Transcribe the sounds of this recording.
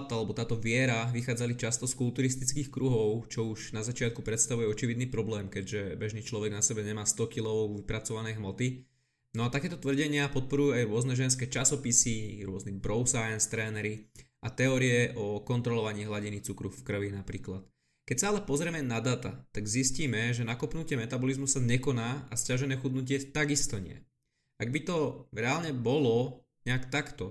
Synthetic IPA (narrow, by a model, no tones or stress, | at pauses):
t̪alɛbɔt̪aːt̪ɔʋɪɛɾaʋixaːd͡zalit͡ʃast̪ɔskulˠt̪uɾist̪it͡skiːxkɾuɦɔʊt͡ʃɔuʒnazat͡ʃɪat̪̚kupɾɛt̪st̪aʋujɛɔt͡ʃiʋid̪niːpɾɔblɛːmkɛɟʒɛbɛʒniːt͡ʃlɔʋɛɡnasɛbɛɲɛmaːst̪ɔkilɔʊʋipɾat͡sɔʋanɛjɦmɔt̪i | nɔat̪akɛːt̪ɔt̪ʋr̩ɟɛɲɪapɔt̪̚pɔɾujuajɾʊɔznɛʒɛns̬kɛt͡ʃasɔpisiɾʊɔznibɾɔʊsajanst̪ɾɛːnɛɾi | at̪ɛɔːɾiɛʔɔkɔnt̪ɾɔlɔʋaɲiːɦlaɟinit͡sukɾufkr̩ʋinapɾiːklat̪ | kɛcsaalɛpɔzɾɛmɛnad̪aːt̪a̰t̪aɡzisciːmɛʒɛnakɔpnucɪɛmɛt̪abɔlizmusaɲɛkɔnaːascaʒɛnɛːxud̪nuc̬ɪɛt̪aɡist̪ɔɲɪɛ̰ | aɡbit̪ɔɾɛaːlɲɛbɔlɔ | ɲɛakt̪akt̪ɔ